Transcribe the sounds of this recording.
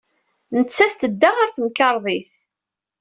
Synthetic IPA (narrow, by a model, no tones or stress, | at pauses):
nət͡sːæθt̪əd̪ːaʁaɾθəmkɑɾˤðˤiθ